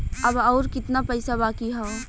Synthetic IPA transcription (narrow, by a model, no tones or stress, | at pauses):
əbɔːɾkɪt̪napəɪsabaːkiɦə̃